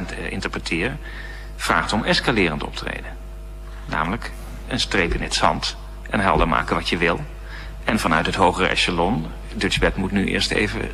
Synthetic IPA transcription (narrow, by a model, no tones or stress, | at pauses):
nɪ̰ntəɹprətʰɪːɹ | v̥ra̰ːχtɔmɛskalɪːrəntɔ̰p̚trḛjdən | na̰ːmələk | ənstrejpɪnətsɑ̰nt | ʔɛnɦɛlˠdəɹma̰ːkənʋɑtjəʋɪlˠ | ɛnvɑnœɥtɦətɦowχərɛ̰ʃalɔn | dɵd͡ʒbɛkmutnyʔɪ̰ːɹstḛjvə̰